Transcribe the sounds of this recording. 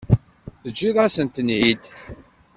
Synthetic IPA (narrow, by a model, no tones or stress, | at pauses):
θəd͡ʒːiðˤæsənt̪ənʕid̪